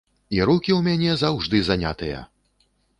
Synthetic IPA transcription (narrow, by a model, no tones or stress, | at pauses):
iɾukʲiwmʲanʲɛzawʐd̪ɨzanʲa̰t̪ɨjɐ̰